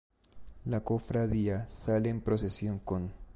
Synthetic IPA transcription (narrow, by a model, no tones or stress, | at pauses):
lako̞fɾaðiasaleːmpɾo̞s̬esjo̞ŋkon